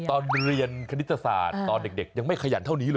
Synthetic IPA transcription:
t̪ɔː˧nɾi˧ənkʰa˧ni˦˥t̪ːa˧sa̰ː˨˩t̪ːɔː˧nde˨˩k̚de˨˩k̚ja˧ŋma˥˩jkʰa˧ja̰˨˩˦t̪ʰa˥˩wniː˦˥lː

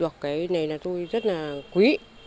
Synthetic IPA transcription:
wa˨˩kːe˨˦jne˨˩jna˨˩t̪u˧jzə˦t̪̚na˨kwi˦ʔ

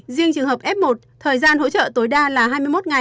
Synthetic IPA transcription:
zi˧əŋt͡ɕɨ˨˩əŋɦəː˨˩p̚ʔɛ˦˥p̚mo˨˩t̚t̪ʰəː˨˩jzaː˧nho̰˧˥t͡ɕə̰ː˧˨t̪o˨˦jɗaː˧laː˨˩ɦaː˧jmɨ˧jmo˦˥t̚ŋa˨˩

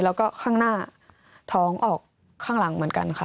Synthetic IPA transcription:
lɛː˦˥wkɔː˥˩kʰaː˥˩ŋnaː˥˩ | t̪ʰɔː˦˥ŋʔɔː˨˩k̚ʰː | aː˥˩ŋla˩˦ŋmɯ˨˩˦nka̰˧nkʰa˥˩

